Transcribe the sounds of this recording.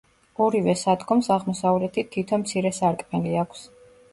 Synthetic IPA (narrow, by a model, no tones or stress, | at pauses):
ɔɾivɛsad̪ɡɔmsaʁmɔsavlɛt̪ʰit̪ʰit̪ʰɔmt̪sʰiɾɛsaɾkʼmɛliakʷʰs